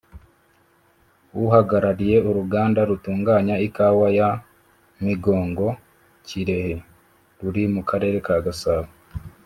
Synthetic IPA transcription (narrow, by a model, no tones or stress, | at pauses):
wuɦaɡaɾaɾije̞oɾuɡaːndaɾutuːŋɡaːɲaikaːwaja | miɡo̞ːŋɡo̞ | ciɾe̞he̞ | ɾuɾimukaɾe̞ɾe̞kaɡasaːβo